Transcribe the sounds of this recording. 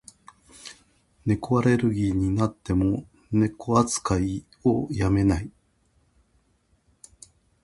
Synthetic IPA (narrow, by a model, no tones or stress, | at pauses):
ne̞koaɾe̞ɾɯ̟ɡʲiːɲ̟inat̪ːe̞mo̞ | ne̞ko̞at͡sɨ̥kai | ojame̞nai